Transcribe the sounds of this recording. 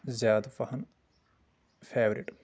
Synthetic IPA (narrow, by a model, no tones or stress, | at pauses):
zjaːd̪fɐhɐn | fʰeːʋɾḭʈ